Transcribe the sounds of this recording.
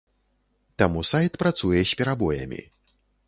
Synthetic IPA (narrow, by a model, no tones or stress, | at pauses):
t̪amusajt̪pɾat̪sujɛsʲpʲɛɾabɔjɐ̰mʲḭ